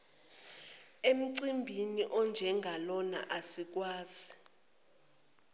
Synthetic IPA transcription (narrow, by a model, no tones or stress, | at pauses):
em̩ǀimbʱiniʔɔnd͡ʒʱɛŋɡʱalɔna̰ʔasik̬waːz̥i